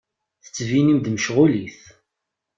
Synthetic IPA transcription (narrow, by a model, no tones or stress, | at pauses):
θə̥t͡sːvinimd̪məʃʁʊliθ